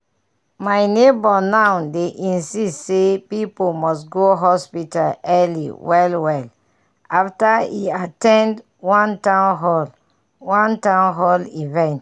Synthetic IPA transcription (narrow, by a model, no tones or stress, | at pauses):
maɪnebɔnaʊdeʔĩnsistsepipomɔsɡoɦɔspitalɛlḭwɛlwɛl | aftaḭatɛ̃nd | wãntãnɦɔl | wãntãʊ̃nɦɔlivɛ̃nt